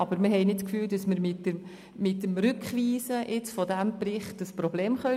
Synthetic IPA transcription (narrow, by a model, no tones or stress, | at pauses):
ɑbəɾmɪɦɛɪnɪtkfyːld̥ɑsməɾmɪtə | mɪtːəmrʏkχʋiːsəʔɪt͡sfɔdæmprɪχtəsprobleːmχœ